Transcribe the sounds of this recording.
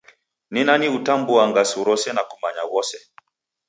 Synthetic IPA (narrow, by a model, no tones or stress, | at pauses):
ninaniutambuaŋɡasuɾɔsɛnakumaɲaɣɔsɛ